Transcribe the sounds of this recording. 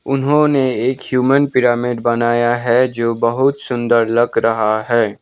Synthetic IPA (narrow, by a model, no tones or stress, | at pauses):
ʊnɦõneeːkhjuːmənpɪɾaːmɪɖbɐnaːjaɦɛd͡ʒoːbəɦʊt̪sʊ̃nd̪əɾlɐɡɾɐɦaɦɛː